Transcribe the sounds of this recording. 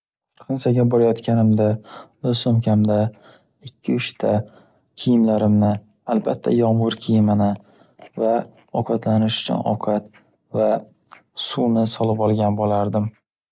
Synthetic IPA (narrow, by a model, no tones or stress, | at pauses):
qʰɨnsaɡʲabɒɾajɒt̪kʲanɪmd̪aɵzsʊmkʲʰamd̪a | ɪkʲʰːɪʊʃt̪ʰa | kʲʰɪjɪmlaɾɪmnɪ | albat̪ʰːa̰jɒmʊɾkʲʰijɪmanɪ | va | ɒqʰɑt̪lanɪʃʊ̥t͡ʃʰʊ̰nʔɒ̰qʰɑt̪ | va | sunɪsɒlɪpɒlˠɡʲanbolaɾd̪ɪm